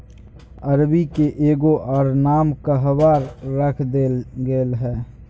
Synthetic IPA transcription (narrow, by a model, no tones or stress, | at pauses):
ɐɾbikeʔeːɡoʔɔːɾnaːmkaɦəbaːɾːəkʰd̪eːlɡeːlɦɛː